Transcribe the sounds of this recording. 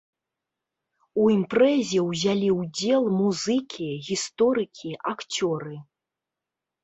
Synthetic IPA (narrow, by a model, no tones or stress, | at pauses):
uimpɾɛzʲɛwzʲalʲiwd͡zʲɛlˠmuzɨkʲiɣʲist̪ɔɾɨkʲʰiʔakt͡sʲɔɾɨ